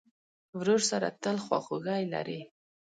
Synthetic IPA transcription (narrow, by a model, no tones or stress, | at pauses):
wɾoɾsaɾa̰t̪əlxwɑ̰xoɣajla̰ɾi